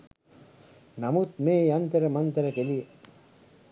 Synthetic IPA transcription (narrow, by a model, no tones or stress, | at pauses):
namut̪meːjant̪əɾəmant̪əɾɐkelie